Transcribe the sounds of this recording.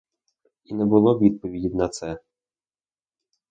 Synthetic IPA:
inɛbʊlˠɔid̪̚pɔʋʲidʲidʲnɐt̪sɛ

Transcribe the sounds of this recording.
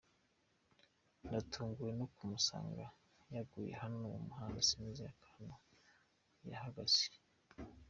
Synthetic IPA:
ndatʰuːŋɡujenokumusa̰ːŋɡa | jaɡuːjḛhanunuwo̰muhanasimizijakʰana | ja̰haɡasi

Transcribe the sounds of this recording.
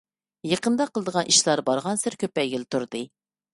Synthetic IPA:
jəqənd̪ɑqʰəlˠəd̪əʁɑnʔiʃlˠɑɾbɑɾʁɑnsɪɾkʲøpɛjɡʲilt̪ʰuɾd̪ɨ

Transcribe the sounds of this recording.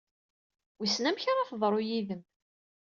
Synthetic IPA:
wisnæmçaɾˤaθðˤɾˤojiðəm

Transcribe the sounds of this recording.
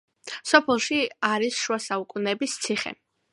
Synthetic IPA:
sɔpʰɛlˠʃiaɾisʃuasaukʼunɛbist̪sʰiχɛ̰

